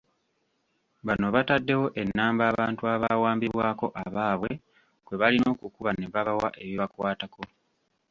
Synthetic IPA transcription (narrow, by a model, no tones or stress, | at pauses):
βano̞βatadːe̞wo̞ʔe̞nːaːmbaːβaːntuaβawaːmbiβwaːko̞ʔaβaːβwe̞ | kwe̞βalino̞ːkukuβane̞βaβawa̰ʔe̞βjoβakwaːtako̞